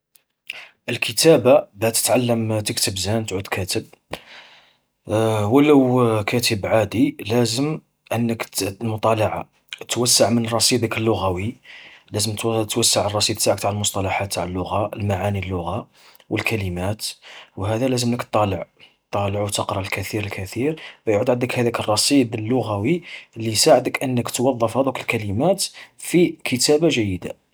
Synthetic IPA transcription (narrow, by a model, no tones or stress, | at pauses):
ʔəlkʰət̪æbabæt̪ə̥t̪ʕalːəmt̪əkt̪ʰəbzænt̪ʕud̪kʰæt̪əb̚ | wləwkʰæt̪ʰəbʕad̪ilæzəm | ʔənːəklmʊt̪ˤɑlɑʕa | t̪wəsːaʕmənrˤːɑsˤid̪əkəlːʊɣæwilæzəmt̪t̪wæsːaʕərˤːɑsˤid̪̚ˤt̪aʕəkt̪aʕəlmʊsˤt̪ˤɑlɑħat̪ːaʕəlːʊɣaəlmaʕanilːʊɣa | wəlkʰælimæt̪wɦæd̪ælæzəmləkt̪ˤːɑləʕt̪ˤːɑləʕwt̪əqɾˤɑlkæθiɾəlkæt̪iɾbæjʕud̪ʕənd̪əkhæd̪ækərˤːɑsˤid̪əlːʊɣæwilːisaʕəd̪əkʔənːəkt̪wɑðˤːɑfhæd̪ukəlkælimæt̪fikʰət̪æbaʒæjːəd̪a̰